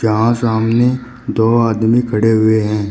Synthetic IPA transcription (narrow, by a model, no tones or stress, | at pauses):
d͡ʒɐɦãsaːmne | d̪oːaːd̪mikʰɐɽeɦʊeɦɛ̃ː